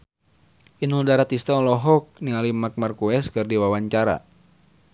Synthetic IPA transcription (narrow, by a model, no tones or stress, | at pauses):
inuldaɾat̪ist̪aɔlɔɦɔk̚niŋalimak̚markuɛskɨrdiwawaɲt͡ʃaɾa̰